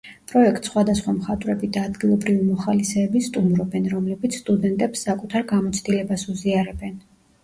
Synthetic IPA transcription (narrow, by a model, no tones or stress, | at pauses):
pʼɾɔɛk̚t̪sχwad̪asχwamχat̪ʼvɾɛbid̪aːd̪ɡilˠɔbɾivimɔχalisɛːbist̪ʼumɾɔbɛnɾɔmlɛbit̪sʰst̪ʼud̪ɛnt̪ʼɛpsːakʼut̪ʰaɾɡamɔt̪sʰd̪ilɛbasuziaɾɛbɛn